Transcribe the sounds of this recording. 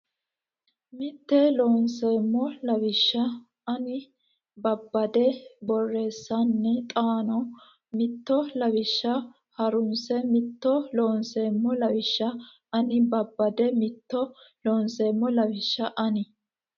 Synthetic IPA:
mɪt̪ːɛloːnseːmːɔlɐwɪʃːɐ | ɐnɪ | bɐbːɐd̪ɛbɔrːe̞ːsːɐnːɛt̪ʼaːnɔ | mɪt̪ːɔlɐbɪʃːɐ | hɐɾʊnsɛmɪt̪ːɔloːnseːmːɔlɐwɪʃːɐ | ɐnɪbɐbːɐd̪ɛmɪt̪ːɔloːnseːmːɔlɐwɪʃːɐʔɐnɪ

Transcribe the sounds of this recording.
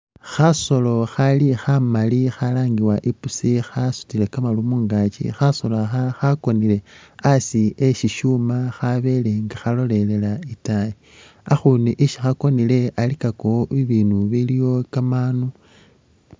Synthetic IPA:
xaso̞lo̞xalixamalixalaːŋɡiwaʔipusixasu̥tile̞kamalumuːŋɡat͡ʃḭxaso̞laxaxako̞nile̞asieʃiʃuːmaxaβe̞le̞ŋɡaxalo̞le̞le̞laitaji | axuniʔiʃixako̞nile̞alikakoiβiːnuβilijo̞kamaːnu

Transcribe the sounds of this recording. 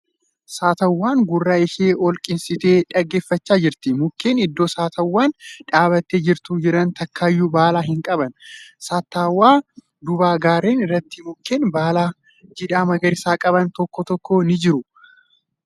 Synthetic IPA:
saːt̪ɐwːaːŋɡʊrːaːɪʃeːʔɔlkʼɪnsɪt̪e̞ːᶑɐɡːe̞ːfːɐt͡ʃːaːd͡ʒɪɾt̪ɪmʊkːe̞ːnɪd̪ːo̞ːsaːt̪ʰɐwːaːnᶑaːbɐt̪ːeːd͡ʒɪɾt̪ud͡ʒɪɾɐnt̪ɐkːaːjːuːbaːlaːɦɪŋkʼɐbɐnsaːt̪ːaːwːaː | d̪ʊbaːɡaːɾe̞ːnɪrːɐt̪ːɪmʊkːe̞ːnbaːlaː | d͡ʒɪᶑ̪aːmɐɡɐɾɪsaːkʼɐβɐnt̪ɔkːɔt̪ɔkːɔnɪd͡ʒɪɾʊ

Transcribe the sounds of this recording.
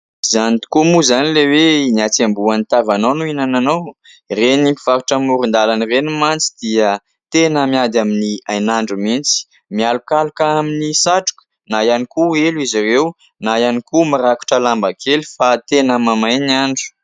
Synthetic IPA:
zanit̪u̥kumuzanileweniat͡sambuanit̪avanonuinananow | renipi̥vaɾuʈ͡ʂəmuɾund̪alanirenimant͡si̥d̪̥iə | t̪enəmiad̪aminiajnaɳɖ͡ʐumint͡si̥ | mialukalukaaminisaʈ͡ʂu̥kə̥ | najanikueluizaɾew | najanikumiɾaku̥ʈ͡ʂəlambakʰelifat̪enəmamajniaɳɖ͡ʐu̥

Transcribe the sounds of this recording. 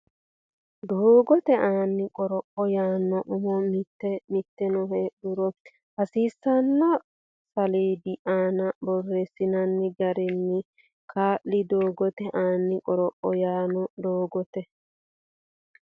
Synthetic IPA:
d̪oːɡɔt̪ɛʔaːnːɪkʼɔɾɔʔɔjaːnːɔʔʊmɔmɪt̪ːɛmɪt̪ːɛnɔɦeːɗʊɾɔ | hɐsiːsːɐnːɔ | sɐleːd̪ɪʔaːnɐbɔrːesɪnɐnːɪɡɐɾɛnːɪ | kʰaːʔːɪd̪oːɡɔt̪ɛʔaːnːɪkʼɔɾɔʔɔjaːnɔd̪oːɡɔt̪ɛ

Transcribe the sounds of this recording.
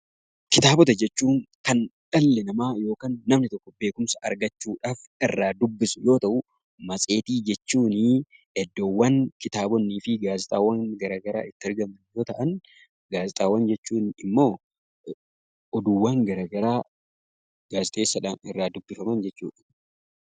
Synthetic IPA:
kɪt̪aːbɔt̪ɐd͡ʒɛt͡ʃːuːŋkɐnᶑɐlːɛnɐmaːjo̞ːkaːnːɐmnɪt̪ɔkːɔbe̞ːkʊmsɐɐ̰ɾɡɐt͡ʃːuːᶑaːf | ɪrːaːd̪ʊbːɪsʊjo̞ːt̪ɐʔʊ | mɐsʼe̞ːt̪iːd͡ʒɛt͡ʃːuːnɪ | ɛd̪ːowːɐːŋkɪt̪aːbɔnːiːfɪɡaːzɪt̪ʼaːwːɐŋɡɐɾɐːɡɐɾa̰ːʔɪt̪ːɪɐɾɡɐmɐnjo̞ːt̪ɐʔɐn | ɡaːzɪt̪ʼaːwːɐnd͡ʒɛt͡ʃːuːnɪmːo̞ː | ɔd̪ʊwːaːŋɡɐɾɐɡɐɾaː | ɡ̥aːsɪt̪ʼe̞ːsːɐᶑaːnɪrːaːd̪ʊbːɪfɐmɐnd͡ʒɛt͡ʃːṵːᶑɐ̥

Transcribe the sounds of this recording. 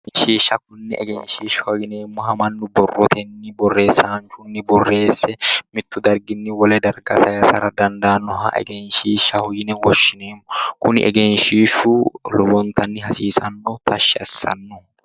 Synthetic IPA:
nʃiːʃːɐkʊnːɛ̰ʔɛɡɛnʃiːʃɔɡɪneːmːɔɦɐmɐnːʊbɔrːɔt̪ʰɛnːɪbɔrːe̞ːsːaːnt͡ʃʊnːɪbɔrːe̞ːsːɛmɪt̪ːʊd̪ɐɾɡɪnːɪwɔlɛd̪ɐɾɡɐsɐjɐsɐɾɐd̪ɐnd̪ɐːnːɔɦɐ̰ʔɛ̰ɡɛnʃiːʃːɐhʊjɪnɛwɔʃːɪneːmːɔkʊnɪ̰ʔɛ̰ɡɛnʃiːʃulɔbɔnt̪ɐnːɪhɐsiːsɐnːɔt̪ʰɐʃːɪɐ̰sːɐ̰nːɔ

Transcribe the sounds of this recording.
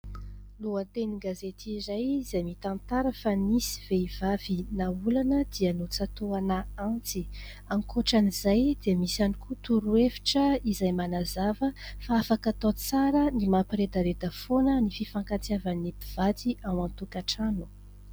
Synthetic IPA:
luant̪eniɡazet̪izajzajmit̪ant̪aɾəfanisi̥veiv̥avinaulanəd̪̥ianot͡sat̪oanaant͡si | aŋkoʈ͡ʂanizajd̪̥eəmisanikut̪uɾuefi̥ʈ͡ʂəizajmanazavəfaafakat̪ot͡saɾənimapiɾed̪aɾed̪əfonənififaŋkat͡siavanːipiv̥at̪iʔamant̪ukaʈ͡ʂanu̥

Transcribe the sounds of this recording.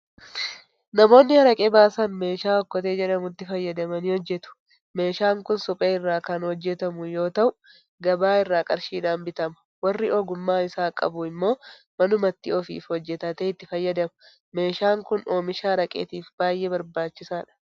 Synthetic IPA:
nɐmo̞ːnːɪhɐɾɐkʼɛbaːsɐnme̞ːʃaːɔkːɔt̪eːd͡ʒɛᶑɐmʊt̪ːɪfɐjːɐd̪ɐmɐnɪhɔd͡ʒːɛt̪ʊ̥ | me̞ːʃaːŋkʊnsɔpʼeːɪrːaːkɐnhɔd͡ʒːɛt̪ɐmʊjo̞ːt̪ɐʔʊ | ɡɐbaːɪrːaːkʼɐɾʃiːᶑaːmbɪt̪ɐmɐ̥ | wɐrːɪʔɔɡʊmːaːɪsaːkʼɐ̰bʊɪmːo̞ː | mɐnʊmɐt̪ːɪɔfḭːfhɔd͡ʒːɛt̪ɐt̪eɪt̪ːɪfɐjːɐd̪ɐmɐ̥ | me̞ːʃaːŋkʊno̞ːmɪʃaːɾɐkʼḛːt̪iːfbaːjːʔebɐɾbaːt͡ʃːɪsaːᶑɐ̥

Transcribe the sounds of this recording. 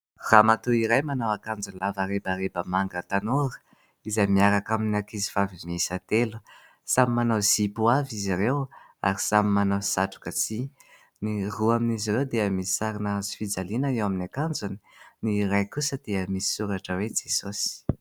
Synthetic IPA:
ramat̪uiɾajmanawakand͡zunlavaɾebaɾebəmaŋɡət̪anoɾu̥ | izajmiaɾakaminakizivavimisat̪elu̥ | samimanawz̥ipuaviziɾew | a̰ɾisamimanawsaʈ͡ʂu̥kət͡si | niruaminizirewd̪eəmisi̥saɾinazifid͡zalinaewaminakand͡zuni̥niɾajkusəd̪̥eəmisi̥suɾaʈ͡ʂəwed͡zesosi̥

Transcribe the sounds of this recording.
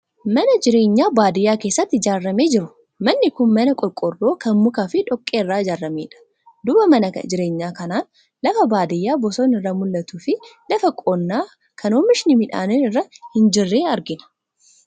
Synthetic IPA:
mɐnɐd͡ʒɪɾe̞ːɲːaːbaːd̪ɪjːaːke̞ːsːɐt̪ːɪɪd͡ʒaːrːɐme̞ːd͡ʒɪɾʊ̥ | mɐnːɪkʊnmɐnɐkʼɔlkʼːɔrːo̞ːkɐnmʊkaːfɪᶑɔkʼːeːrːaːɪd͡ʒaːɾːɐmeːᶑɐ̥ | d̪ʊbɐmɐnɐkd͡ʒɪɾe̞ːɲːaːkɐnaːn | lɐfɐbaːd̪ɪjːaːbɔsoːnɪrːamʊlːɐt̪uːfɪlɐfɐkʼoːnːaː | kʰɐnoːmɪʃɪnɪmɪᶑa̰ːnɛnɪrːɐhɪnd͡ʒɪrːe̞ːɐɾɡɪnɐ̥

